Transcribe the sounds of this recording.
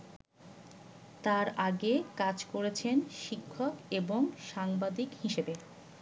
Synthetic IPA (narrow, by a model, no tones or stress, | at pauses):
t̪aɾaɡekad͡ʑkoɾet͡ɕʰenʃikʰːokeboŋʃaŋbad̪ikhiʃebe